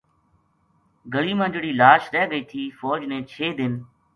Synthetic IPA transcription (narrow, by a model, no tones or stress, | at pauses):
ɡəɭiːmə̃nd͡ʒɽiːlaːʃɾɛːɡəiːt̪ʰiːfɔːd͡ʒnẽːt͡ʃʰeːd̪ɪn